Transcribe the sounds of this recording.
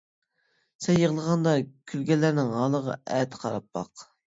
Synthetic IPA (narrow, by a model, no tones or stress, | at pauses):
sɛjːəʁlˠəʁɑnd̪ɑkʲʰylɡʲɛlːæɾnɪŋɑːlˠəʁɑ̰ɛt̪ʰqʰɑɾɑpːɑ̰q